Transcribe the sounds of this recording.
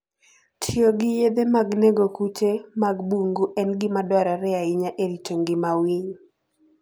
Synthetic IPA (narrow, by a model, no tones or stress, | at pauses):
tʰioɡɪjed̪emaɡneɡokut͡ʃemaɡbuŋɡuʔɛnɡɪmadwaɾaɾɛaɪɲaʔeɾit͡ʃoŋɡɪmawiɲ